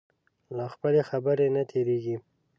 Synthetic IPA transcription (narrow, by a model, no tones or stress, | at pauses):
laxpəlexabəɾenat̪ʰeɾeɡi